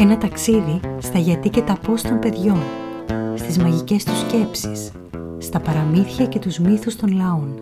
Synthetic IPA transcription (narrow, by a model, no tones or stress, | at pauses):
e̞nɐt̪ɐksiðist̪ɐʝɐt̪ice̞t̪ɐpo̞st̪o̞mpe̞ðʝo̞n | st̪izmɐʝice̞st̪usce̞psi̥sː | t̪ɐpɐɾɐmiθçɐce̞t̪uzmiθust̪o̞nlɐo̞n